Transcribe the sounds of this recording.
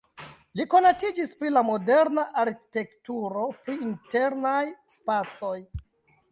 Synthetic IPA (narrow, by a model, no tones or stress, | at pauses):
liko̞natid͡ʒispɾilamo̞deɾnaʔaɾki̥te̞ktuɾo̞pɾiinte̞ɾnajspat͡so̞j